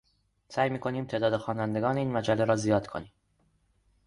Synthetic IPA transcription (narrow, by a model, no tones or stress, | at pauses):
sæːjmiːkʰo̞niːmt̪ʰe̞ːd̪ɒːd̪exɒːnænd̪e̞ɡɒːneiːnmæd͡ʒælːeɾɒːzijɒːd̪̥kʰo̞̰niːm